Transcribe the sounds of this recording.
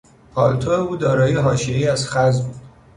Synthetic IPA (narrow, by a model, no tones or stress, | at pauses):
pʰɒːlt̪ʰoeuːd̪ɒːɾɒːjeɦɒːʃieiæzxæzbuːd̪̥